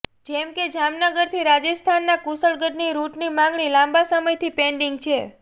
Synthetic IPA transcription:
d͡ʒɛmked͡ʒamnəɡəɾt̪ʰiɾad͡ʒəst̪ʰanːakusəɭɡəɖniɾuʈnimãŋɡɭilãmbasəməjt̪ʰipeɳɖiŋɡt͡ʃʰe

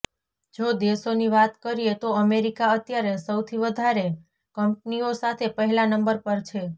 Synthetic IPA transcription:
d͡ʒod̪esoniʋat̪kəɾiet̪oəmeɾikaət̪jaɾesəwt̪ʰiʋəd̪ʱaɾe | kəmp̚niosat̪ʰepəɦɛlanəmbəɾpəɾt͡ʃʰe

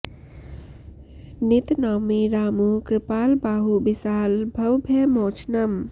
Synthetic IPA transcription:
nit̪namiɾaːmukɾɪpaːlbaːɦubisaːlbʱəwbʱemoːt͡ʃʰnɐm

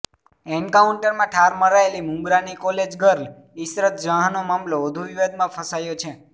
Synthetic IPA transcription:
ɛɳkauɳʈəɾmãʈʰaɾməɾaelimũŋɡɾanikɔled͡ʒɡəɾl | isɾət̪̚d͡ʒəɦanomamloʋəd̪ʱuʋiʋed̪̚mãfʰəsajot͡ʃʰe

